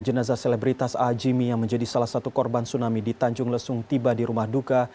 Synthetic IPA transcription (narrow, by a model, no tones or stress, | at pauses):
d͡ʒənazaselebɾit̪asad͡ʒimijaŋməɲd͡ʒadisalahsat̪ukɔrbansunamidit̪aɲd͡ʒʊŋləsʊŋt̪ibadiɾumahduka